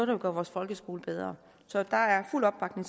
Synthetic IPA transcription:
oðˠdɑoɡ̥ɶɐʋɒːsfɒ̽lɡ̥əsɡ̥o̝ːləb̥eð̞ˠʁɐ | sɒ̽d̥ɑ̈æɐful̰ɒ̽b̥ːɑ̈ɡ̥ne̝ŋ

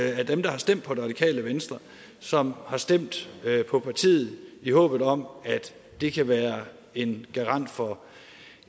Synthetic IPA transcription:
æd̥emd̥ɑ̈hɑ̈sd̥em̰d̥̚pʰɒ̽d̥eʁɑ̥ikʰɛ̰ːləʋensd̥ʁɐ | sɒ̽mhɑ̈sd̥em̰d̥pʰɒ̽pʰɑ̈t͡sʰḭːð̩ˠihɔ̰ːb̥ð̞̩ˠɒ̽mæd̥ː | e̝kʰæʋæːɐ | e̝nɡ̥ɑ̈ʁɑ̈n̰d̥fɒ̽

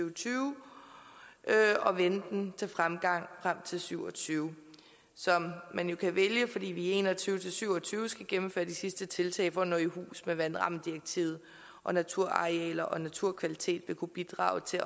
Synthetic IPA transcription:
yʊt͡sʰyːʊ | ʔøɒ̽ʋend̥n̩t͡sʰe̝lfʁamɡ̥ɑ̈ŋ̰fʁam̰t͡sʰe̝lsyʊ̰ɒ̽t͡sʰyːʊ | sɒ̽mːænjo̝kʰæʋeljəfɒ̽d̥ḭːʋie̝̰ːnɒ̽t͡sʰyːʊt͡sʰe̝lsyʊ̰ɒ̽t͡sʰyːʊsɡ̥æɡ̥emm̩fø̰ːɐd̥isisd̥ət͡sʰe̝lt͡sʰɛ̰ːɪfɒ̽nɔihṵːsmeʋænʁɑ̈md̥iɐɡ̥̚t͡sʰiʊð̩ˠ | ʔɒ̽næt͡sʰuɐ̰ɑ̈ʁiɛ̰ːlɐʔɒ̽næt͡sʰuɐ̰kʰʋælit͡sʰe̝̰ːd̥ʋe̝kʰub̥id̥ʁɑ̰̈ːʊt͡sʰe̝

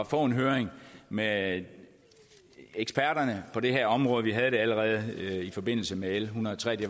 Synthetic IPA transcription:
fɔ̰̽ːe̝nɦøːɐeŋme | eɡ̥sb̥æɐ̰ɾ̥ɐnəpʰɒ̽ɾ̥e̝ɦeɐ̰ɒ̽mʁɔ̽ːð̩ˠʋiɦæð̞̩ˠdɾ̥e̝æləʁɛːð̞̩ˠifɒ̽b̥e̝n̰l̩səmeelɦunɐðˠt͡sʰʁɛ̰ːd̥e

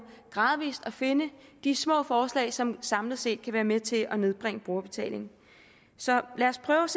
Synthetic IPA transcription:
ɡ̥ʁɑ̈ːðˠʋḭːsd̥ɒfe̝nəd̥ismɔ̰̽ːfɒːslɛ̰ːɪsɒ̽msɑ̈mləð̩ˠse̝̰ːd̥̚kʰæʋæːɐmet͡sʰe̝ʔɒ̽ne̝ðˠb̥ʁɛŋəb̥ʁo̝ːɐb̥e̝t͡sʰɛ̰ːle̝ŋn̩ | sɒ̽læɐspʰʁœːʊs

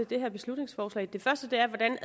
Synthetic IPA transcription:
ed̥e̝ɦæɐ̰b̥e̝slud̥ne̝ŋsfɒːslɛ̰ːd̥e̝fɶɐsd̥əd̥e̝æɐʋɒ̽d̥æn

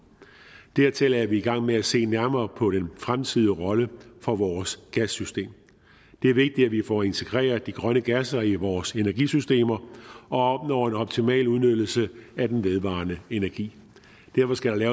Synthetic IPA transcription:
d̥æɐt͡sʰe̝læɐʋiːɡ̥ɑ̈ŋ̰meæse̝̰ːnæɐmɐːpʰɒ̽ɾenfʁamt͡sʰið̞ˠʁɒ̽ləfɒ̽ʋɒːsɡ̥æsysd̥e̝̰ːm | d̥e̝æɐʋe̝ɡ̥̚d̥id̥æʋifɒ̰ːe̝nt͡sʰe̝ɡ̥ʁɛ̰ːɐd̥iɡ̥ʁɶnəɡ̥æsɐiʋɒːse̝næɐɡ̥ḭsysd̥e̝̰ːmɐɒ̽ɒ̽b̥̚nɒʊe̝nɒ̽b̥̚t͡sʰimɛ̰ːluð̞ˠnød̥l̩səæd̥enʋe̝ðˠʋɑ̰̈ːnəe̝næɐɡ̥ḭː | d̥æɐfɒ̽sɡ̥æɾɑ̈lɛːʊ

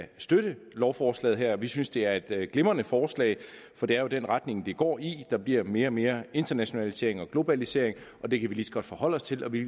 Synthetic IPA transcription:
sd̥øɾ̥əlɒʊfɒːslɛ̰ːð̩ˠɦæɐ̰ɒʋisynsd̥e̝æɐe̝d̥ɡ̥lemɐnəfɒːslɛ̰ːɪ | fɒ̽d̥e̝æɐjo̝d̥enʁad̥ne̝ŋd̥e̝ɡ̥ɒ̰ːid̥ɑ̈b̥liɐ̰me̝ːɐɒme̝ːɐe̝nd̥ɐnæɕo̝nælise̝̰ɐ̰e̝ŋɒ̽ɡ̥lo̝b̥ælise̝̰ɐe̝ŋʔɒ̽d̥e̝kʰæʋilisɒ̥ɡ̥ɒ̽d̥fɒ̽hɒ̽l̰ɒ̽st͡sʰe̝lʔɒ̽ʋi

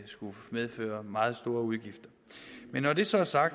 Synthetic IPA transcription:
sɡ̥umeð̞ˠfø̰ːɐmɑ̈ːð̞̩ˠsd̥o̝ːɐuð̞ˠɡ̥ifd̥ɐ | menːɒd̥e̝sɒ̽æɐsɑ̈ɡ̥

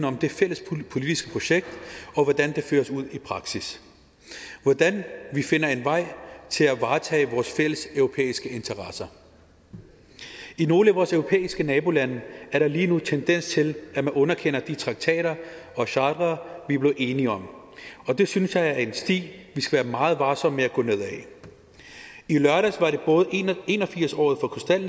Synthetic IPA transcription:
n̩ɒ̽md̥e̝fel̰əspʰo̝lid̥isɡ̥ə̥pʰʁo̝ɕeɡ̥̚d̥ɒ̽ʋɒd̥ænd̥e̝fø̰ːɐsuð̰ˠipʰʁɑ̈ɡ̥sis | ʋɒd̥ænʋife̝nɐe̝nʋɑ̈ɪ̰t͡sʰe̝læʋɑ̈ːt͡sʰɛ̰ːʋɒːsfel̰əsœʊʁo̝pʰḛːisɡ̥əe̝nt͡sʰɐʁɑsɐ | ino̝ːləæʋɒːsœʊʁo̝pʰḛːisɡ̥ənɛːb̥o̝lænəæɐɾ̥ɑ̈liːnut͡sʰend̥en̰st͡sʰe̝læmænɔ̽nɐkʰen̰ɐd̥it͡sʰʁɑ̈ɡ̥̚t͡sʰɛ̰ːɾɐ | ɒ̽ɕɑ̈ːd̥ʁɐʋib̥le̝ʔe̝ːniɒ̽m | ɒ̽d̥e̝synsjɑ̈ɪæɐe̝nsd̥ḭːʋisɡ̥æʋæːɐmɑ̈ːð̞̩ˠʋɑ̈ːsɒ̽m̰meæɡ̥ɔ̽ne̝ð̰ˠɛ | ilɶɐɾæsʋɑ̈ɾe̝b̥ɔ̽ːð̞̩ˠee̝ːnɒ̽fiɐ̰sɒ̰ːð̩ˠfɒ̽kʰɒsd̥æl̰

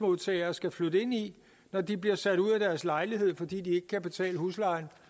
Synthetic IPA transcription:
mo̝ðˠt͡sʰɛɪɐːsɡ̥æflød̥əe̝n̰i | nɒd̥ibliɐsæd̥uð̰ˠæd̥æɐslɑ̈ɪliɦe̝ð̞̰ˠfɒ̽d̥ḭːd̥ie̝ɡ̥əkʰæb̥e̝t͡sʰɛ̰ːləɦuslɑ̈ɪn

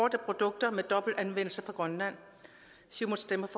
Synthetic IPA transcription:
ɒɐd̥əpʰʁo̝d̥ɔ̽ɡ̥̚d̥ɐmed̥ɒ̽b̥l̩dænʋen̰l̩səfʁɑ̈ɡ̥ʁɒnlæn̰ | simonsd̥emɐf

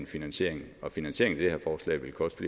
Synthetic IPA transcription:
nfinænɕe̝̰ɐ̰e̝ŋɒ̽finænsɕe̝ɐeŋ̩n̩æd̥eheɐ̰fɒːslɛ̰ːɪʋe̝lkʰɒ̽sd̥fli

